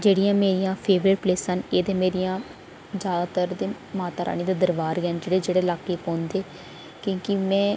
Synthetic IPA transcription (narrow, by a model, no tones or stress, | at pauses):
d͡ʒeːɽijãːmeːɾijãːpʰeːʋɾeːɖpleːsəneːd̪ẽːmeːɾijãː | d͡ʒjaːd̪aːt̪əɾd̪eː | maːt̪aːɾʔa̰ːniːd̪eːd̪əɾʋaːɾɡɛːnd͡ʒeːɽeːd͡ʒeːɽeːlaːkeːpɔ̃ːnd̪eː | kõːkɪmɛ̃ː